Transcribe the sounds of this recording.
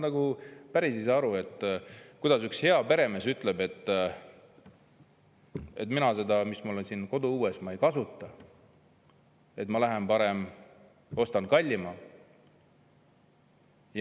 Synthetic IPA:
nɑɡ̥upæɾisiseɑɾue̞t̪ːˑkujd̪̥ɑsykshe̞ɑpe̞ɾe̞me̞syt̪ːˑle̞be̞t̪ˑː | e̞̰t̪minɑse̞d̪ɑmismolensinko̞d̪uuːesmɑejkɑsut̪ːˑɑ | e̞t̪mɑlæɦe̞mpɑɾem | o̞st̪ɑnkɑlʲːimɑ | j

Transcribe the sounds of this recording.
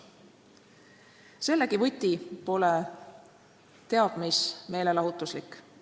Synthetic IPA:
se̞lːekivɨt̪ʲːipo̞le | t̪e̞ɑd̥̪misme̞ːle̞lɑɦut̪ːˑuslikːˑ

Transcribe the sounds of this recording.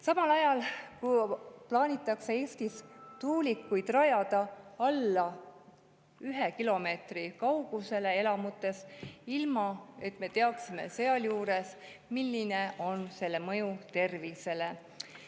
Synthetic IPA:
sɑmɑlɑjɑlkuplɑːnʲit̪ːˑɑksee̞ːst̪ist̪uːlikːˑujd̪̥rɑjɑd̪̥ɑɑlːɑ | yɦekilo̞me̞ːt̪rikɑwɡ̥use̞le̞e̞lɑmut̪ːˑe̞silmɑe̞t̪ːˑme̞t̪e̞ɑksime̞̰se̞ɑljuːɾe̞s | milːine̞ʔo̞nse̞lːe̞mɤjut̪e̞rvise̞le̞

